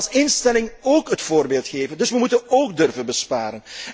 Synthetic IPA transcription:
sɪnstɛlɪŋoːkɦətfoːrbeːlˠtχeːvəndɵsʋəmutənoːkdɵrvənbəspaːɾən

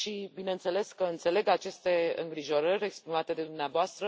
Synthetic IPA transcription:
ʃibinent̪se̞le̞skəɨnt̪se̞le̞ɡat͡ʃe̞st̪e̞ɨ̰ŋɡɾiʒo̞ɾəɾʲe̞kspɾimat̪e̞d̪e̞d̪umneavoast̪ɾə

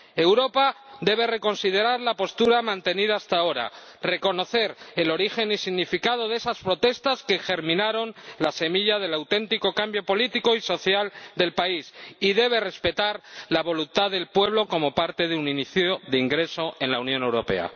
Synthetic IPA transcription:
e̞wɾo̞pad̪e̞β̞e̞re̞ko̞nsiðe̞ɾaɾlapo̞st̪uɾamãnt̪e̞niðaːst̪ao̞ɾa̰re̞ko̞no̞θe̞ɾe̞lo̞ɾixe̞nisiɣnifikað̞o̞ðe̞saspɾo̞t̪e̞st̪aske̞xe̞ɾmĩnaɾo̞nlase̞miʎað̞e̞lawt̪e̞nt̪iko̞kambjo̞po̞lit̪iko̞iso̞θjald̪e̞lpaisiðe̞βe̞re̞spe̞t̪aɾlaβo̞lunt̪aðe̞lpwe̞β̞lo̞ko̞mo̞paɾt̪e̞ðeuniniθjoðeiŋɡɾe̞so̞ʔe̞nlaunjõne̞wɾo̞pe̞̰a̰

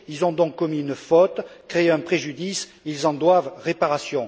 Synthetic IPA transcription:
ilzɔ̃d̪ɔ̃kkːɔmiynfɔt̪kχeɛ̃pχeʒyd̪is | ilzɑ̃d̪wavʁepaʁasjɔ̃

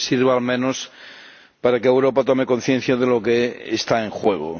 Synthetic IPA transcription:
siɾβaalmẽ̞nos | paɾakeewɾo̞pat̪ome̞ko̞n̟θje̞n̟θjaðelo̞keːst̪aeŋxwe̞ɣ̞o̰

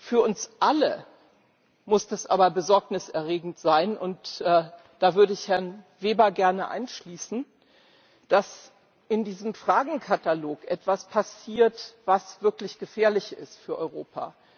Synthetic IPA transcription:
fyːɐʔʊnsʔalə | mʊsd̥asʔaːbɐbəzɔɐknɪsɛɐʁeːɡŋ̩tz̥aɪnʔʊntʔɛː | d̥aːvʏɐdəɪçhɛɐnveːbɐɡɛɐnəʔa̰ɪnʃliːsn̩ | d̥as | ɪndiːzəmfʁ̥aːɡŋ̩kʰataloːkʔɛtv̥aspʰasiːɐtv̥asv̥ɪɐklɪçɡ̥əfɛːɐlɪçɪ̰stfyːɐʔɔʏʁoːpʰa̰ː

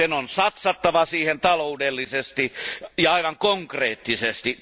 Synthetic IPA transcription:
enonsɑt̪sɑt̪ːɑʋɑsiːhent̪ɑloudelːisest̪ijɑɑiʋɑŋkoŋkreːt̪ːisest̪i

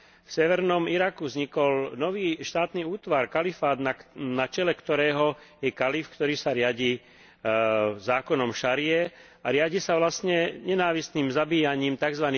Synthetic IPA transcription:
fsɛʋɛɾnɔmiɾakuvzɲikɔlnɔʋiːʃt̪aːt̪niuːt̪ʋaɾkalifaːd̪nanat͡ʃɛlɛkt̪ɔɾɛːɦɔjɛkalifkt̪ɔɾiːsaɾɪaɟiː | zaːkɔnɔmʃaɾɪɛ | aɾɪaɟisaʋlast̪ɲɛɲɛnaːʋist̪niːmzabiːjaɲiːmt̪aɡzʋaniː

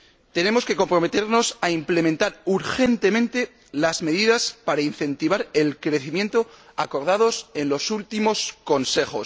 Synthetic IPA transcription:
t̪e̞ne̞mo̞ske̞ko̞mpɾo̞me̞t̪e̞ɾno̞saimple̞mẽ̞nt̪aɾuɾxe̞nt̪e̞mẽ̞nt̪e̞ | lazme̞ðiðaspaɾainθe̞nt̪iβ̞aɾe̞lkɾe̞θimje̞nt̪o̞ako̞ɾð̞að̞o̞se̞nlo̞sult̪imo̞sko̞nse̞xo̞̰s

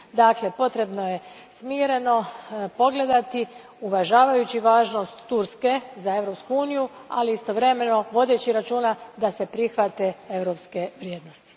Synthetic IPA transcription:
d̪akle̞po̞t̪ɾe̞bno̞je̞ | smiːɾe̞no̞po̞ɡled̪at̪i | uʋaʒaːʋajut͡ɕiʋaːʒno̞st̪ːuɾske̞zae̞ʋɾo̞pskuuːnijua̰liist̪o̞ʋɾe̞me̞no̞ʋo̞d̪e̞t͡ɕiɾat͡ʃuːnad̪ase̞pɾixʋat̪ee̞ʋɾo̞pske̞ʋɾjeːd̪nost̪i̥

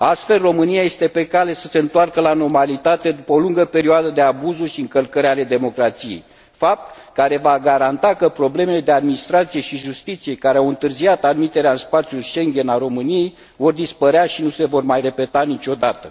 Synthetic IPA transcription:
ast̪fe̞lro̞mɨnijaje̞st̪e̞pe̞kale̞səse̞ɨnt̪oarkəlano̞rmalit̪at̪e̞d̪upəoluŋɡəpe̞ɾioad̪əd̪e̞abuzuʃiɨŋkəlkəɾale̞d̪e̞mo̞kɾat̪sije̞̰j | fap̚t̪kaɾe̞vaɡaɾant̪akəpɾo̞ble̞me̞le̞d̪ead̪minist̪ɾat̪sije̞ʃiʒust̪it̪sije̞kaɾeawɨnt̪ɨrziat̪ad̪mit̪eɾeaɨnspat̪sijulijʃe̞ŋɡʲe̞naɾo̞mɨnije̞j | vo̞rd̪ispəɾeaʃinuse̞vo̞rmajre̞pe̞t̪anit͡ʃo̞d̪at̪ə

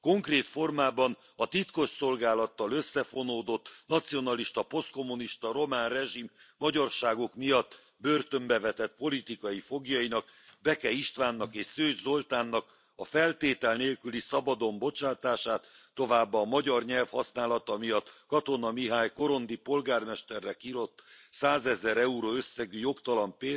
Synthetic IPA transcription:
ko̞ŋkreːt̪fo̞rmaːbɒn | ɒt̪it̪ko̞ʃso̞lɡaːlɒt̪ːɒløsːɛfo̞noːd̪o̞t̪ːnɒt̪sijo̞nɒliʃt̪ɒpo̞st̪ko̞muniʃt̪ɒɾo̞maːnrɛʒimːɒɟɒrʃaːɡokmijɒt̪ː | bø̞rt̪ø̞mbɛvɛt̪ɛt̪̚po̞lit̪ikɒifo̞ɡjɒinɒkbɛkɛiʃt̪ʋaːnːɒkeːʃsøːʒzo̞lt̪aːnːɒk | ɒfɛlt̪eːt̪ɛlneːlkylisɒbɒd̪o̞mbo̞t͡ʃaːt̪aːʃaːt̪ːo̞vaːbːɒːmɒɟɒrɲɛlfhɒsnaːlɒt̪ɒmijɒt̪ːkɒt̪o̞nɒmiɦaːjko̞ɾo̞nd̪ipo̞lɡaːrmɛʃt̪ɛrːɛkiɾo̞t̪ːsaːzɛzɛɾɛuɾoːøsːɛɡyjo̞kt̪ɒlɒmpeː

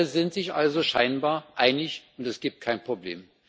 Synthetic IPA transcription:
əzɪntz̥ɪçʔalzoʃaɪnbaːɐʔaɪnɪçʔʊntɛsɡ̥iːp̚t̚kʰaɪnpʁ̥oblḛːm

